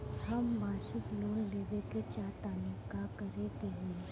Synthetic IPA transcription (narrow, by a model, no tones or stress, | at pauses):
hɐmːaːʃɪkloːɦleʋeket͡ʃaːt̪aːnikakɐɾet̪eɦue